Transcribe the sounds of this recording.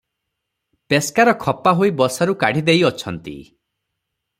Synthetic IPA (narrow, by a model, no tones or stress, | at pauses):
peskaɾɔkʰɔpaɦoibɔsaɾukaɽ̤ʱid̪ejɔt͡ʃʰɔnt̪ḭ